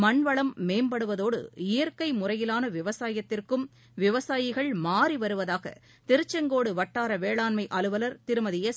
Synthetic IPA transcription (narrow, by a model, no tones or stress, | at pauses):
mɐɳʋɐɭɐmːeːmbɐɽɯʋɐðoːɽɯ̰ɪjɐɾkɐɪmʊrɐjɪlaːnɐʋɪʋɐsaːjɐt̪ːɪrkɯm | ʋɪʋɐsaːjɪɣɐɭmaːriʋɐɾɯʋɐðaːɣɐ̰ | t̪ɪɾɯt͡ʃːɐŋɡoːɽɯʋɐʈːaːɾɐʋeːɭaːnmɐɪʔɐlɯʋɐlɐɾt̪ɪɾɯmɐðɪjɐs